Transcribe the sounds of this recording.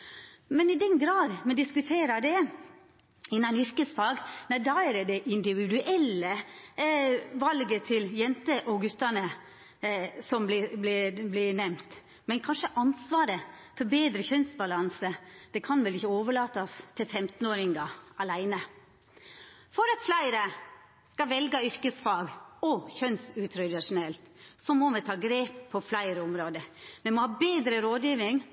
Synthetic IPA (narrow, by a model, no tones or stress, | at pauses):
mɛnɪd̪ɛnɡɾɑːd̪mɛd̪ɪskʉt̪ʰeːɾɑd̪ɛ | ɪnːɑnʏɾkəsfɑːɡnæd̪ɑːɛɾɛd̪ɛʔɪnd̪ɪʋɪd̪ʉʔɛlːə | ʋɑlɡət̪ʰɪljɛnt̪əʔɔɡʉt̪ːɑnə | sɔmblɪblɪblɪnɛmt̪ | mɛnkʰɑnʂəʔɑnsʋɑːɾəfɔɾbeːd̪ɾəçœnsbɑlɑnsəd̪̥ɛkʰɑnʋɛlɪçəoːʋəɭɑːt̪ɑst̪ʰɪlfɛmt̪n̩oːɾɪŋɡɑʔɑlæɪnə | fɔɾɑt̪flæɪɾə | skɑʋɛlɡəʏɾkəsfɑːɡɔçœnsʉːt̪ʰɾœd̪ɪʂʊnɛlt̪sɔmɔmɛt̪ʰɑːɡɾeːpʰːɔflæɪɾəʊmɾoːd̪əmɛmɔhɑːbeːd̪ɾəɾoːd̪jiːʋɪŋ